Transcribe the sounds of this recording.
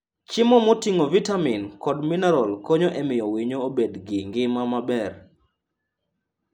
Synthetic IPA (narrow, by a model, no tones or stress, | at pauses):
t͡ʃɪmɔmotiŋovitaminkɔdminɛɾɔlkoɲoʔɛmɪjɔwiɲoobedɡɪŋɡɪmamabɛr